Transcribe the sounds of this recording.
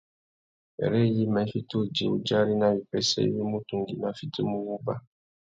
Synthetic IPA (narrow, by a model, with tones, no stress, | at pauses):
ɛ̰˨ɾɛ˦ji˦mɛ̃˨˦fi˦t̪o˦˨d͡ʒi˨wu˦d͡ʒa˦ɾi˦nã˦wi˨pɛ˦sɛ̰˦wi˦mũ˦t̪u˦ŋɡi˨nã˦fi˦to˦mũ˦wu˦ba˦